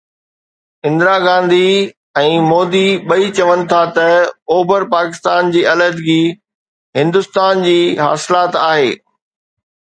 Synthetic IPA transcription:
ɪ̃nd̪ɾaɡãːnd̪ʱi | ɛ̃ːmoːd̪iɓɐit͡ɕɐʋənɪ̆t̪ʰat̪ɐoːbəɾpaːkɪst̪aːnd͡ʑiːɐləd̪ɡiː | ɦɪ̃nd̪ʊst̪aːnd͡ʑiːɦa̰ːsɪlaːt̪aːɦeː

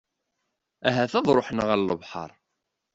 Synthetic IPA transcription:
æɦæθæðˤɾˤoħnəʁælːəvħɑ̰ɾˤ

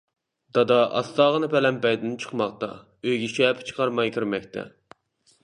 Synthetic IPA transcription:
d̪̥ɑd̪ɑʔɑ̰st̪ɑːʁənɨpɛlɛmbɛjd̪ɪnt͡ʃʰə̥qmɑqt̪ɑ̰ | øjɡʲiʃɛpʰt͡ʃʰə̥qʰɑɾmɑjkʲʰiɾmɛkʲt̪ʰɛ̰

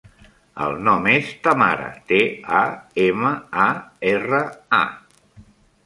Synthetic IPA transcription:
ə̰lˠnɔmest̪əma̰ɾə̰t̪eaeməaerəa̰

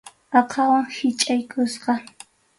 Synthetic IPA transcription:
ɑqʰɑwaŋhɪt͡ʃʼajkʊsqɑ

